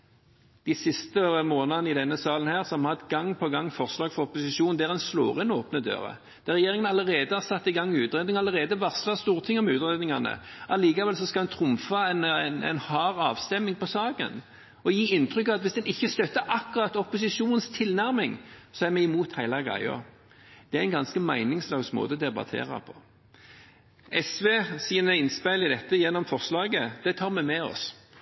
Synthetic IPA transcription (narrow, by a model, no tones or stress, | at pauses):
d̪̥ɪsɪst̪əmoːnɑnɪd̪ɛnːəsɑːlən̩hæːʁsɔmhɑt̪ɡɑŋːpʰɔɡɑŋːfɔʁslɑːɡfɔɾɔpʊsɪʃuːnn̩d̪æːʁɛnslo̰ːʁɪnoːpnəd̪ø̰ːʁə̰ | d̪̥æʁɛjeːʁɪŋənɑlːəʁeːd̪əhɑʁsɑt̪ːɪɡɑŋːʉːt̪ʁeːd̪nɪŋɑlːəʁeːd̪əʋɑʁslɑst̪uːʁt̪ʰɪŋːɔmʉːt̪ʁeːd̪nɪŋɑnə̰ʔɑliːkɑʋɛlsɔskɑld̪ɛnt̪ʰɾʊmfɑɛnnɛ̰nhɑːɾɑːʋst̪ɛmːɪŋpʰɔsɑːkə̰n | ɔjiːɪnt̪ʁʏkːɑʋɑt̪ʋɪsd̪ɛnɪçːəst̪œt̪ːəʔɑkːʊʁɑt̪ːɔpʊsɪʃuːnən̩st̪ʰɪlnæʁmɪŋsɔæʁmɛɪmuːt̪hæɪlɑɡʁæ̰ɪə̰ | d̪̥ɛææɪnɡɑnskəmæɪnɪŋslɑːɡsmo̰ːd̪əd̪ɛbɑ̰t̪ʰḛːɾɑ̰pʰɔ̥ | ɛsʋeːsiːnəɪnspæɪlɪd̪ɛt̪ːəjɛnːɔmfɔʁslɑːɡəd̪̥ɛt̪ʰɑːʁmɛmɛɔ̰s